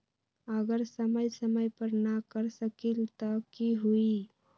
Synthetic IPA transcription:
əɡəɾsəməjsəməjpəɾnakəɾsəkilt̪ɔkiɦui

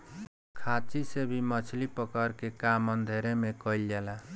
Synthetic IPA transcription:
kʰat͡ʃisebʱimʌt͡ʃʰlipəkəɾkekamʌnd̪ʱeɾemekʌild͡ʒela

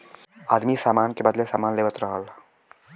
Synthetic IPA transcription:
aːd̪misaːmaːnkebəd̪lesaːmaːnleːʋət̪ɾəɦəl

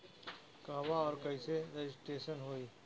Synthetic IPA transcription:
kaːʋaɔːɾkɐiseɾed͡ʒɪsʈeːʃənɦoːiː

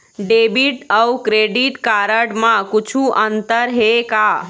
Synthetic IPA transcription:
ɖebiʈəwkɾeɖiʈkaɾəɽmãkut͡ʃʰuʔənt̪əɾɦeka

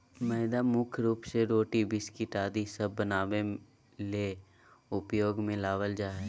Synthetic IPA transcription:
mɛɪd̪amʊkʰɾuːpseɾoːʈibɪskiʈaːd̪isəbːənaːʋe | leː | ʊpjoːɡmẽlaːʋəld͡ʒaː

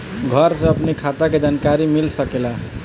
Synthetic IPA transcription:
ɡʱəɾsẽəpnekʰat̪aked͡ʒankaɾimilsəkela

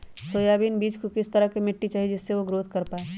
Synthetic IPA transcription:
soːjaːbiːnbiːd͡ʒkokɪst̪ɐɾəkemɪʈːit͡ʃaːɦid͡ʒɪsːeʋoɡɾoːt̪kɐɾpaːeː

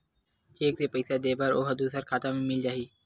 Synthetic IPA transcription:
t͡ʃeːkseːpəɪsad̪eːbəɾoːɦəd̪uːsəɾkʰaːt̪aːmẽmɪld͡ʒaːɦiː

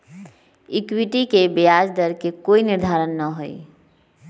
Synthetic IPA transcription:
ikwiʈikebejad͡ʒd̪əɾkekoiniɾd̪ʱaɾənːəɦo̰i

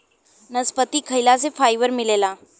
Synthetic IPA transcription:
nəspət̪iːkʰəjlasefajʋəɾmilela

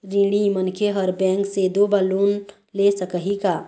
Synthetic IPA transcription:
ɾiɽ̃imənkʰeɦəɾbɛ̃ŋksed̪obalun | lesəkəɦika

